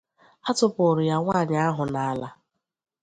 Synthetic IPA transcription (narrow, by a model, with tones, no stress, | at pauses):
a˦tʊ˦pʊʊ˨ɾʊ˨ja˦ŋʷaː˦˨ɲa˦a˦ɦʊ˨na˨a˦la˦